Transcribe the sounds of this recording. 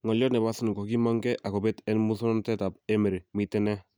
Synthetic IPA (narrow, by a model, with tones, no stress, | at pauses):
ŋɔ˨ljɔ˦nɛ˨ba˦sn˨ko˨ki˦mɔ˦ŋɡɛ˦ʔa˨kɔ˨bɛ˦tɛ˦nmu˦sɔ˦n˦ntɛ˦ta˨pɛ˦me˨ɾmi˨tːɛ˦nɛ˦